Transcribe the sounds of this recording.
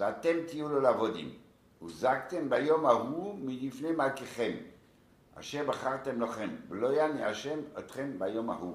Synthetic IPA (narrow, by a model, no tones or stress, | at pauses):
veat̪emt̪ijulolavod̪ḭm | ṵzakt̪embajo̞maɦumilifnemalkeχe̞m | a̰ʃeʁbaχaʁt̪emloχemblojaniaʃemot̪χembajo̞ma̰hu